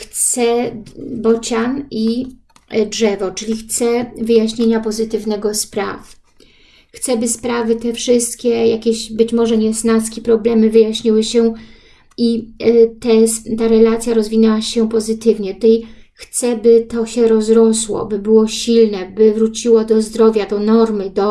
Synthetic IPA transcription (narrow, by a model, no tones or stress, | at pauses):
xt̪ssɛ | bɔt͡ɕani | dʐɛvɔt͡ʂɘlʲixt̪sɛvɘjaɕɲeɲapɔzɘt̪ɘvnɛɡɔspɾa̰f | xt̪sɛbɘspɾavɘt̪ɛfʂɘst̪kʲɛjakʲeɕbɘt͡ɕmɔʐɛɲɛsnaskʲipɾɔblɛmɘvɘjaɕɲiwɘɕɛ | it̪ɛt̪aɾɛlat̪sʲjaɾɔzvʲinɛwaɕɛpɔzɘt̪ɘvɲɛt̪u̥t̪ɛjxt̪sɛbɘt̪ɔɕɛɾɔzɾɔswɔ̰bɘbɘwɔɕilnɛbɘvɾut͡ɕiwɔd̪ɔzd̪ɾɔvʲjad̪ɔnɔɾmɘd̪ɔ